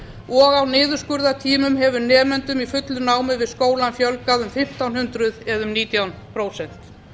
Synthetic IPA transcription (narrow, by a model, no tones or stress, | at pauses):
ɔɣawnɪːðʏɾskʏɾðat̪ʰiːmʏmɦɛvʏɾnɛːmɛnt̪ʏmifʏt̪lʏnaːwmɪvɪðskoːwlanfjœlkaðʏmfɪm̥t̪awnhʏnt̪ɾʏðɛðʏmniːt̪jawnpʰɾoːwsɛn̥t̪